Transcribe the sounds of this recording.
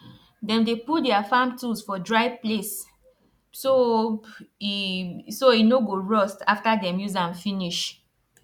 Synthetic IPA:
dɛ̃mdeputdɛafãmtusfɔdɹaɪvples | so | soinoɡoɹɔstaftadɛ̃mjuzãnfĩniʃ

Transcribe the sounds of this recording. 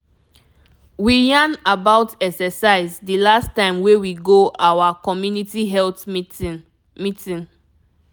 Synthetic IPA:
wijãnabaʊtɛksɛsaɪzdilastãɪ̃mwewiɡoʔawakɔmjunitiɦɛlt | mitĩn

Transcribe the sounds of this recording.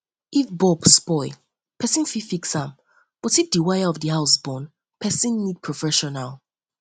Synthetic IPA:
ifbɔbspɔɪl | pʰɛsĩnfifiksãm | b̥ɔtifdiwajaɔfdihaʊsbɔ̃n | pʰɛsĩnːid̚pʰɹɔfɛʃɔnal

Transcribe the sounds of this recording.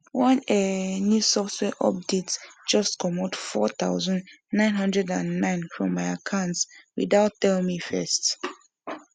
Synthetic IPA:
wɔ̃nɛnjusɔftwɛʔɔp̚detsd͡ʒʌstkʰɔmotfɔ̰t̪a̰ʊzɔ̃nnãɪ̃nɦʌ̃ndɹɛdãnːãɪ̃nfɹɔ̰̃mːaɪakʰãntswidaʊtːɛl̃mifɛ̰st

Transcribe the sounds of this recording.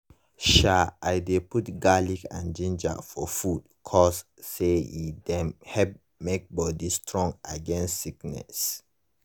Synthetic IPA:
ʃaajdeputɡalikã̰nd͡ʒĩnd͡ʒa̰fɔfud̥ | kʰɔsː | eidɛ̃hɛp̚ | mek̚bɔdistʰɹɔ̃ŋɡaɡɛ̃nstsiknɛ̰s

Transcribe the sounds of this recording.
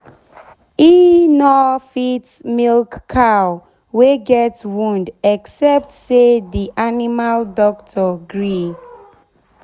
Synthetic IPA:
inɔfit | milkkʰːaw | weɡɛtwũndɛksɛp̚tsediʔanimaldɔk̚tʰɔɡɹi

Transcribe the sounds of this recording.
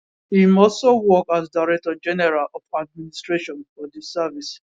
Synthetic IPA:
imɔsowɔkazdaɾɛk̚tɔd͡ʒɛnɛɾalɔfad̚ministɹeʃɔ̃nfɔdɪsɛvis

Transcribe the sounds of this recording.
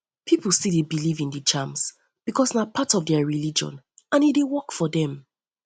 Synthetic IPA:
pʰipl̩ˠsedebilivĩndət͡ʃãms | b̥ikʰɔsnapʰatɔvdɛəɹilid͡ʒɔ̰̃n | ãnedewɔkfɔðɛ̃m

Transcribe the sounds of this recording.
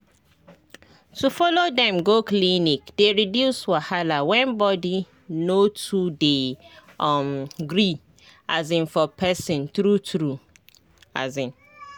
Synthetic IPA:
tufɔlodɛ̃mɡoklinikdeɹidjuswahalawɛ̃nbɔdi | notude | mɡɾi | azĩnfɔpʰɛsĩntɾutɾu | a̰zĩn

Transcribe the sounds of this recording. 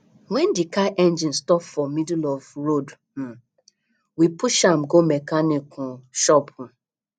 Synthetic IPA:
wɛ̃ndikaʔɛ̃nd͡ʒĩnstɔpfɔmidulɔvɹod̩ | wipuʃãmɡomɛkanikʰɔ̃ʃɔpũ

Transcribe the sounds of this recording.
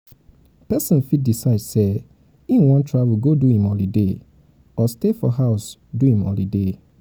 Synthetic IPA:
pɛsɔ̃nfit̚disaɪdse | ĩnwãntʰɹavulɡoduhĩmɔlide | ɔstefɔɦaʊsduhĩmɔ̰lide

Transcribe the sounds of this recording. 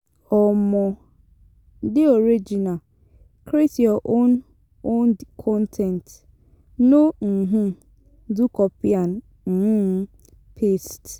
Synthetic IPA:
ɔmɔ̃ | dɪoɾed͡ʒina | kʰɾetjɔʔõn | onkʰɔ̃ntʰɛ̃nt | noŋ̩ɦũ | dukʰɔpiãn | m̩h̩ | pʰest

